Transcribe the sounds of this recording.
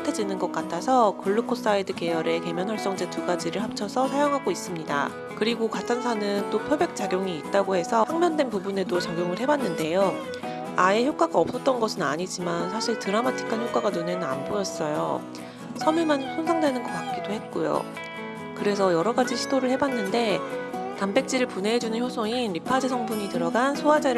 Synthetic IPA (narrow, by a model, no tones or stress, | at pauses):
tʰed͡ʑinɯnɡʌk͈atʰasʰʌkɯɭːukʰos͈aidɯke̞jʌɾe̞ke̞mjʌnwaɭs͈ʌŋd͡ʑe̞tuɡad͡ʑiɾɯɭhap̚t͡ɕʰʌsʰʌsʰajoŋɦaɡois͈ɯmɲida̰ | kɯɾiɡokatʰansʰanɯnt͈opʰjobe̞k̚t͡ɕ͈aɡjoŋiːt̚t͈aɡohe̞sʰʌhaŋmjʌndwe̞npubune̞dot͡ɕaɡʲjoŋɯɭɦe̞banːɯnde̞jo | ae̞çjok͈aɡaʌp̚s͈ʌt̚t͈ʌnɡʌsʰɯnaɲid͡ʑimansʰaɕʰiɭtɯɾamatʰi̥kʰançjok͈aɡanone̞nɯna̰nbojʌs͈ʌjo̰ | sʰʌmjuɭmansʰonsʰaŋdwe̞nɯnɡʌpak̚k͈idohe̞t̚k͈ojo̰ | kɯɾe̞s̬ʰʌjʌɾʌɡad͡ʑiɕʰidoɾɯɭhe̞banːɯnde̞tambe̞k̚t͡ɕ͈iɾɯɭpune̞d͡ʑunɯnçjosʰoinɾipʰad͡ʑisʰʌŋbuɲitɯɾʌɡansʰoad͡ʑeɾɯ